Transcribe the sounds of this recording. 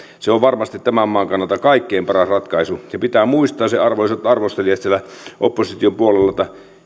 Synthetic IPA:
seoʋʋɑrmɑst̪it̪t̪æmæmːɑːŋkɑnːˑɑlt̪ɑkɑikːeːmpɑrɑsrɑt̪kɑisujɑpit̪æːmuist̪ˑɑːseɑrʋoliset̪ɑrʋost̪eliɑt̪sielæʔopːosit̪iompuolelːɑt̪ɑ

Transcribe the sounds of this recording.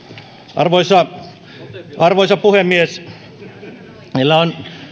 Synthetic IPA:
ʔɑ̰rʋoisɑ | ɑrʋoisɑpuhemːies | melːæon

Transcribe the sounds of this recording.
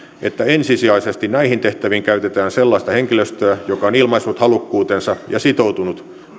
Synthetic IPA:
ʔet̪ːæensisiɑisest̪innæihint̪eht̪æʋiŋkæyt̪et̪æːnselːɑist̪ɑheŋkiløst̪øæjokɑonilmɑisːut̪hɑlukːuːt̪ensɑjɑsit̪out̪unut̪

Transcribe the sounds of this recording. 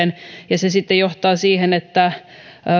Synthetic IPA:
enjɑsesit̪ːejoht̪ɑːsiːhenet̪ːæ

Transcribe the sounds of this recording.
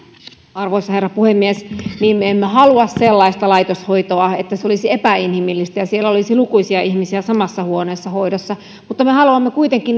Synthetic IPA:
ɑrʋoisːɑherːɑpuhemːiesniːmmeemːeɦɑluɑsselːɑist̪ɑlɑit̪oshoit̪oɑet̪ːæseolisiepæinhimilːist̪æjɑsielːæolisilukuisiɑʔiçmisiæsɑmɑsːɑhuoneːsːɑhoidosːɑ | mut̪ːɑmehɑluɑmːekuit̪eŋkːin

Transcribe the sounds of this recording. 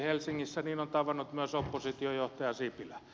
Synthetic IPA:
helsiŋːisːæniːnont̪ɑʋɑnːˑut̪myøsopːosit̪iojoht̪ɑjɑsipilæ

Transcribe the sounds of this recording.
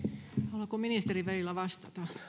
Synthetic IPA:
ɑlɑkominist̪eriʋælilːˑæʋɑst̪ɑt̪ɑ

